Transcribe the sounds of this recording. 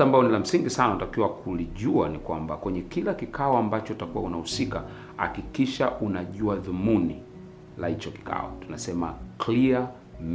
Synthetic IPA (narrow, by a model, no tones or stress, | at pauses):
ambalɔnilam̩siŋɡisananatakiwakʰuliʄuanikwambakwɛɲɛkilakikʰaɔambat͡ʃɔutakuwa̰unahusika | ha̰kikiʃaʔunaʄuaðumuni | lahit͡ʃɔki̥kʰa̰ɔ̰tunasɛma̰klia | m